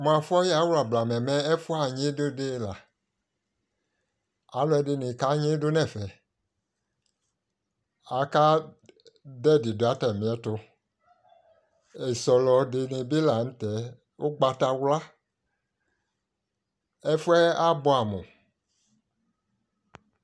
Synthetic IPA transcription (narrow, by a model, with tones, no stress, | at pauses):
m˨ã˨fɔ˦ja˨˦wla˨bla˨mɛ̃˨mɛ̃˦ɛ˦fu˦a˨ɲẽ˦do˦de˦la˨ | a̰˨˦lɔ˦ɛ˨˦de˨nẽ˨ka˦ɲẽ˦do˦nɛ̃˦˨fɛ˨ | a˨ka˦ | dɛ˦˨di˨do˨a˨˦tɛ˨mĩ˨˦ɛ˦to˦ | e˨sɔ˨lɔ˨de˨ne˨bi˦la˨n̩˦t̪ɛ˨˦ | wo˦ɡ͡ba˨t̪a˧wla˦ | ɛ˦fu˦ɛ˦a˦bɔ˨a˨mõ˨